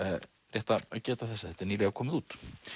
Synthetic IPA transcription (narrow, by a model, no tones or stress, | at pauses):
rjɛht̪aaðcɛːt̪aθɛsːaθɛt̪ɛɾniːlɛɣakʰɔːmɪðuːt̪